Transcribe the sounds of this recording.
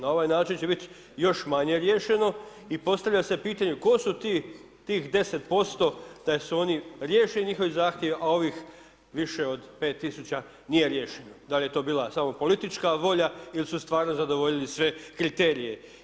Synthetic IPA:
nao̞ʋajnaːt͡ʃint͡ɕe̞bit̪ | jo̞ʃmaɲe̞ɾjeʃe̞no̞ | ipo̞st̪aʋʎase̞piːt̪aɲeko̞sut̪iː | t̪iːxd̪e̞se̞t̪po̞st̪o̞d̪̥asuo̞niɾje̞ːʃiliɲixo̞ʋizaːxt̪je̞ʋʔao̞ʋix | ʋiʃe̞o̞d̪pe̞ːt̪ːisut͡ɕa | nije̞ɾje̞ːʃenod̪alije̞t̪o̞ːbiːlˠasamo̞po̞lit̪it͡ʃkaʋo̞ʎailsust̪ʋaːɾno̞zad̪o̞ʋo̞ʎilisʋe̞kɾit̪e̞ːɾije̞

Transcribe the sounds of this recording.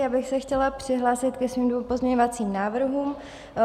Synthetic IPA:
jaːbɪxsɛxcɛlapr̥ɪɦlaːsɪt̪kɛsviːmdvompo̞zmɲɛɲovat͡siːmnaːvr̩ɦuːm

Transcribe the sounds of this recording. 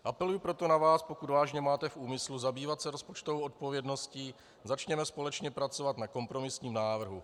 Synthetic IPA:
ʔapɛlujupɾo̞t̪o̞navaːspo̞kud̪vaːʒɲɛmaːt̪ɛfʔuːmɪsluzabiːvat̪sɛɾo̞spo̞t͡ʃt̪ovowʔo̞t̪̚po̞vjɛdno̞sciː | zat͡ʃɲɛmɛspo̞lɛt͡ʃɲɛpɾat͡so̞vat̪nako̞mpɾo̞mɪsɲiːmnaːvr̩ɦu

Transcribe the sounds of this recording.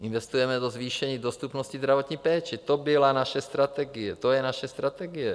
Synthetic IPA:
ʔɪnvɛst̪ujɛmɛd̪ozviːʃɛɲiːdo̞st̪upnoscizd̪ɾavo̞t̪ɲiːpɛːt͡ʃɪt̪obɪlanaʃɛst̪ɾat̪ɛɡɪjɛt̪ojɛnaʃɛst̪ɾat̪ɛɡɪjɛ

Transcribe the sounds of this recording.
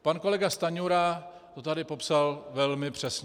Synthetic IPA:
panko̞lɛɡast̪aɲuɾa | t̪ot̪adɪpo̞psalvɛlmɪpr̝̥ɛsɲ

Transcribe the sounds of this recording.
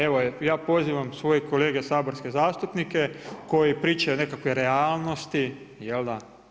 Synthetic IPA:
e̞ʋojaːpo̞ziːʋamsʋo̞jeko̞leːɡesaːboɾske̞zaːst̪upnike̞ko̞jipɾiːt͡ʃaone̞kakʋojɾeaːlˠno̞st̪i | jeld̪a

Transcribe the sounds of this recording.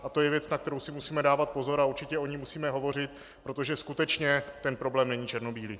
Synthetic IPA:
ʔat̪o̞jɛvjɛt͡snak̚t̪ɛɾowsɪmusiːmɛdaːvat̪̚po̞zo̞ɾauɾt͡ʃɪcɛʔo̞ɲimːusiːmɛɦo̞vo̞r̝ɪt̪ | pɾo̞t̪o̞ʒɛskut̪ɛt͡ʃɲɛt̪ɛnpɾo̞blɛːmnɛɲiːt͡ʃɛɾno̞biːlɪ

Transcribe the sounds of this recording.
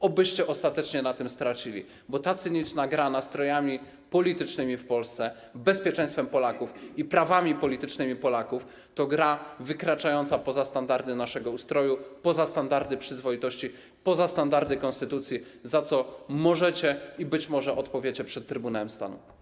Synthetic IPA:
ɔbɘɕt͡ɕɛʔɔst̪at̪ɛt͡ʂɲɛnat̪ɘmst̪ɾat͡ɕilʲḭ | bɔt̪at̪sɘɲit͡ʂnaɡɾanast̪ɾɔjamʲi | pɔlʲit̪ɘt͡ʂnɘmʲifpɔlst̪sɛ | bɛspʲjɛt͡ʂɛ̃j̃st̪fɛmpɔlakufipɾavamʲipɔlʲit̪ɘt͡ʂnɘmʲipɔlakuf | t̪ɔɡɾavɘkɾat͡ʂajɔnt̪sapɔzast̪and̪aɾd̪ɘnaʂɛɡɔust̪ɾɔjupɔzast̪and̪aɾd̪ɘpʂɘzvɔit̪ɔɕt͡ɕi | pɔzast̪and̪aɾd̪ɘkɔ̃nst̪ɘt̪ut̪sʲjizat̪sɔmɔʐɛt͡ɕɛibɘt͡ɕmɔʐɛʔɔt̪pɔvʲjet͡ɕɛpʂɛt̪ːɾɘbunawɛmst̪a̰nṵ

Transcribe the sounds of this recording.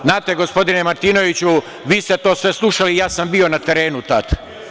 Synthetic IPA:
naːt̪eɡospo̞d̪inemaɾt̪ino̞ʋit͡ɕu | ʋiːst̪e̞t̪o̞ːsʋe̞slˠuʃalijaːsambio̞nat̪eɾe̞ːnut̪at̪

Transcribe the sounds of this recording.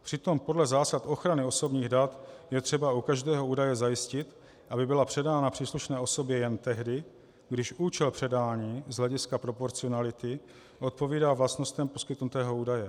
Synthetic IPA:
pr̝̥ɪt̪o̞mpo̞dlɛzaːsat̪ʔo̞xɾanɪo̞sobɲiːɣdat̪jɛt̪r̝̥ɛbaukaʒdɛːɦo̞uːdajɛzajɪscɪt̪ | ʔabɪbɪlapr̥ɛdaːnapr̥iːsluʃnɛːo̞so̞bjɛjɛnt̪ɛɦdɪ | ɡdɪʃuːt͡ʃɛlpr̥ɛdaːɲiːzɦlɛɟɪskapɾo̞po̞ɾt͡sɪo̞nalɪt̪ɪ | ʔo̞t̪̚po̞viːdaːvlast̪no̞st̪ɛmpo̞skɪt̪nut̪ɛːɦo̞uːdajɛ

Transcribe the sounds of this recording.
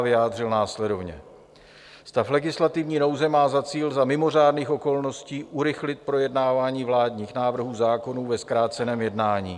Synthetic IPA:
vɪjaːdr̝ɪlnaːslɛdo̞vɲɛ̰ | st̪aflɛɡɪslat̪ɪvɲiːno̞wzɛmaːzat͡siːlzamɪmo̞r̝aːdniːxo̞ko̞lno̞sciːʔuɾɪxlɪt̪̚pɾo̞jɛdnaːvaːɲiːvlaːdɲiːxnaːvr̩ɦuːzaːko̞nuːvɛskɾaːt͡sɛnɛːmjɛdnaːɲḭː

